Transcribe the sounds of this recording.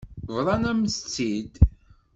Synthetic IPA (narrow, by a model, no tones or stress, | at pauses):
vɾˤɑnæmst͡sːid̪